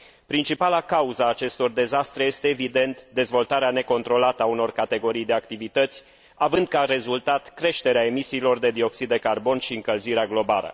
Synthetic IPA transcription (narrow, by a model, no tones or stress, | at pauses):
pɾint͡ʃipalakauzaːt͡ʃe̞st̪o̞rd̪e̞zast̪ɾeje̞st̪e̞ːvid̪e̞nt̪d̪e̞zvo̞lt̪aɾeane̞ko̞nt̪ɾo̞lat̪əauno̞rkat̪e̞ɡo̞ɾijd̪e̞akt̪ivit̪ət̪sʲ | avɨnd̪̚kaɾe̞zult̪at̪kɾe̞ʃt̪e̞ɾeae̞misiːlo̞rd̪e̞d̪io̞ksid̪ːe̞karbo̞nʃiɨŋkəlziɾeaɡlo̞ba̰lə̰